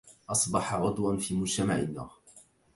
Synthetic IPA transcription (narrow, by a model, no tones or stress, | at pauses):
ʔɑsˤbɑħɑʕʊd̪wanfiːmʊd͡ʒt̪amaʕɪ̰nːa̰ːɾ